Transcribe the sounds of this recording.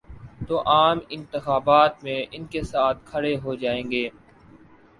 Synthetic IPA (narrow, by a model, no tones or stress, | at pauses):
t̪oːʔaːmɪ̃nt̪ɪxaːbaːt̪mẽʔɪnkesaːt̪̚ʰkʰɐɽeɦoːd͡ʒaːẽːŋɡeː